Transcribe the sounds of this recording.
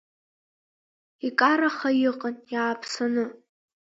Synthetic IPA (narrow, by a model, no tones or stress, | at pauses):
ikʼaɾaχajɪqʼanjaːpʰsanɨ